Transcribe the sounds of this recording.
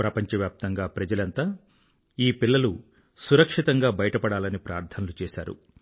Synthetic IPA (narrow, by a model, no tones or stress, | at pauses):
pɾɐpɐɲt͡ʃɐʋjaːp̚t̪ɐŋɡaːpɾɐd͡ʒɐlɐnt̪aː | iːpilːɐlu | suɾɐkʂit̪ɐŋɡaːbɐjɐʈɐpɐɽaːlɐnipɾaːɾt̪ʰɐnɐlut͡ʃɛːsa̰ːɾṵ